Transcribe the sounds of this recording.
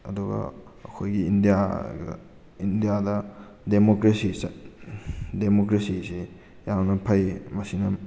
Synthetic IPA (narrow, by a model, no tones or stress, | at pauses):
ɐduɡɐ̰ɐkʰojɡiːndijaɡ̰ | indijadɐ | demokɾesis | demokɾesise | jawnɐpʰɐjmɐsinɐ